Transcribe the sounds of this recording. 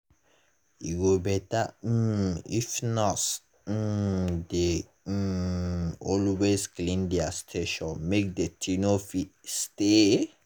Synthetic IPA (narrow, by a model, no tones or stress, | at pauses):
iɡobɛta | ḭfnɔts̩ | de | ɔlwesklĩndɛastʰeʃɔ̃nmek̚dətʰinofit̚ste